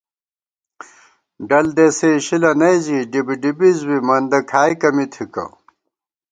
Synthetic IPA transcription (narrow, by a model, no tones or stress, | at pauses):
ɖɐld̪eseɕilɐnɐjziɖibiɖibizwimɐnd̪ɐkʰaːjkɐmit̪ʰikɐ̰